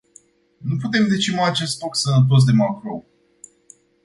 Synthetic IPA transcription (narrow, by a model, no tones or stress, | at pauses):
nuput̪e̞md̪e̞t͡ʃimaːt͡ʃe̞st̪loksənət̪̬o̞s̬d̪e̞makɾow